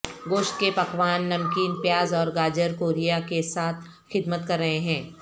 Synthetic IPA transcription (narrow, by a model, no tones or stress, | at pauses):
ɡoːʃʈ̪̚kepɐkʋaːnːɐmkiːnpjaːzɔːɾɡaːd͡ʒəɾkoːɾijakesaːt̪ʰ | xɪd̪mət̪kɐɾːɐɦeɦɛ̃ː